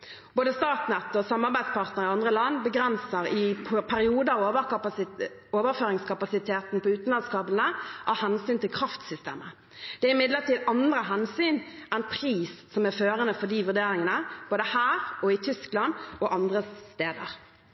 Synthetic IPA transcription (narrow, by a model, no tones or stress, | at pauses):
b̥oːd̪əst̪ɑːt̪nɛt̪ːɔsɑmːɑʁbæɪd̪spɑʁt̪nəʁɪɑnd̪ʁəlɑnːbəɡɾɛnsəɾɪpʰæɾɪuːd̪əɑʋə | oːʋəʁføːɾɪŋskʰɑpɑsɪt̪ʰeːt̪npʰɔʉːt̪n̩lɑnskɑːblnəʔɑhɛnsyːnt̪ʰɪlkʰɾɑft̪sʏst̪ḛːmə | d̪̥ɛæɾɪmɪd̪ləʁt̪ʰiːd̪ɑnd̪ɾəɦɛnsyːnʔæɪnpʰɾiːssɔmæføːʁənəfɔd̪iːʋʉʁd̪eːɾɪŋənəb̥oːd̪əhæːʁɔɪt̪ʰʏsklɑnɔʔɑnd̪ʁət̪eːd̪ə̰ʁ